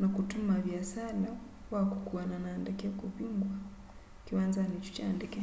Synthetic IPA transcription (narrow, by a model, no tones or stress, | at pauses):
nakutumavjasala | wakukuananaːndɛkɛkuβiŋɡwa | kiwanzanit͡ʃu̥t͡ʃa̰ːndɛkɛ